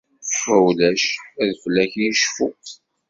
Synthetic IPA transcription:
fæwlæʃæðflæçiʃfu

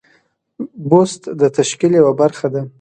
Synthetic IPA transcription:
bost̪d̪ət̪aʃkiljawabaɾxad̪a

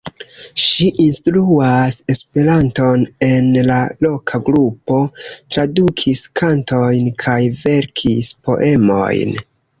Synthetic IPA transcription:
ʃiʔinstɾuase̞spe̞ɾanto̞ne̞nlalo̞kʰaɡɾupo̞tɾadukʰiskʰanto̞jnkʰajve̞ɾkʰispo̞̰ʔe̞mo̞̰jn

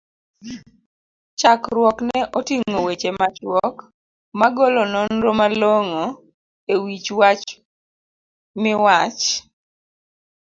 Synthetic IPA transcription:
t͡ʃakɾwɔknɛʔɔtiŋowet͡ʃemat͡ʃwɔk | maɡɔlɔnɔnɾomaloŋo | ewit͡ʃwat͡ʃ | mɪwat͡ʃ

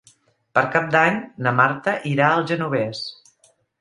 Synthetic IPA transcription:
pəɾkap̚d̪aɲnəmaɾt̪əʔiɾaəlˠʒənuβ̞ɛs

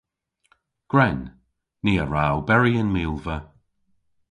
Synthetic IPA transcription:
ɡ̥ɹɛnː | iːəɹawbɛɹiənmiːlˠvə

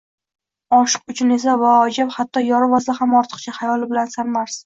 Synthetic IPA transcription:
ɒʃɨ̥qʊt͡ʃʰʊne̞s̬avaɒd͡ʒaphat̪ʰːɒjɒɾɪvasahamɒɾt̪ʰɨ̥qt͡ʃʰahajɒlɪbɪlansamːaɾs

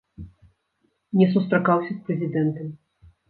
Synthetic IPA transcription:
nʲɛsust̪ɾakawsʲɐspɾɛzʲid̪ɛnt̪ɐmʲ

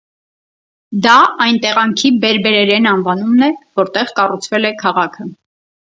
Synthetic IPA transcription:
d̪ɑɑjnt̪ɛʁɑŋkʰibɛɾbɛɾɛɾɛnɑnvɑnumnɛvɔɾt̪ɛʁkɑrut͡sʰvɛlɛkʰɑʁɑkʰə

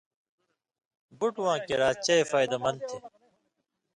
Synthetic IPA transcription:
buʈwãːkeɾaːt͡ɕɐefaːjd̪ɐmɐnd̪̚t̪ʰe

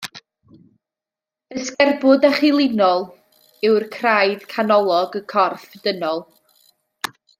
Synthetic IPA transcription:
əskɛrbʊdɛχɪlˠɪnɔlˠ | ɪwrkʰrajd̥kʰanɔlˠɔɡəkʰɔrfd̥ənɔlˠ

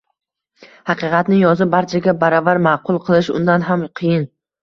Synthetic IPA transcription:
hɑqɨqɑt̪nɪjɒzɪbaɾt͡ʃʰaɡʲabaɾɒvaɾmaːqʰʊlˠqʰɨlˠɪʃʊ̰nd̪anɦamqʰɨjɪn

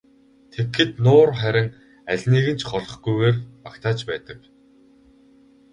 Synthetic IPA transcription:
t̪ʰexɘ̆t̪nʊːrχæɾʲɪ̆ŋ | æɮʲniːɣɘ̆n̥t͡ɕʰχɔɮɞ̆χɡujɣeːrpakt̪ʰaːt͡ɕpæːt̪ə̆k

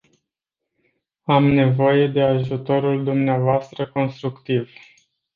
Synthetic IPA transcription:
amne̞vo̞je̞d̪e̞aʒut̪o̞ɾuld̪umneavoast̪ɾəko̞nst̪ɾukt̪iv

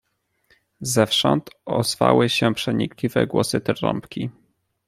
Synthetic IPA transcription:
zɛfʂɔnt̪ɔzva̰wɘɕɛpʂɛɲiklʲivɛ̰ɡwɔsɘt̪ɾɔ̰mpkʲi

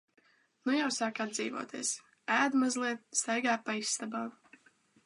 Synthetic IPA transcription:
nujawsaːkad̪d̪zḭːvṵɔt̪iɛs | æːd̪mazlˠiɛt̪̚st̪ajɡaːpajsːt̪abaː

